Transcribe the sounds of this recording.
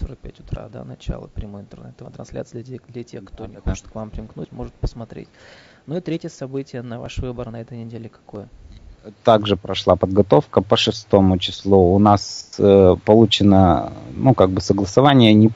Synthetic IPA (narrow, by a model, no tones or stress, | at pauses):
soɾək̚pʲætʲʊ̥t̪ɾa̰d̪a̰nɐt͡ɕa̰lˠə̰pɾʲɪmujɪnt̪ɨrnɛ̰t̪t̪ːəvət̪ɾɐnslʲa̰t̪sɨjd̪ʲed̪lʲɐtʲḛxkt̪onʲɪxot͡ɕɪ̥t̪kvampɾʲɪmknutʲmo̞ʐɨt̪̚pəsmɐt̪ɾʲḛtʲ | nuɪt̪ɾʲetʲɪjəsɐbɨtʲɪjənɐva̰ʂvɨbərnɐɛt̪əjnʲɪdʲelʲɪkɐ̥kojə | t̪aɡʐɨpɾɐʂlˠapəd̪ɡɐt̪o̞fkəpəʂɨst̪o̞mʊt͡ɕɪslˠuʊnasəpɐlˠut͡ɕɪnənukaɡ̚bɨsəɡlˠəsɐvanʲɪjənʲɪ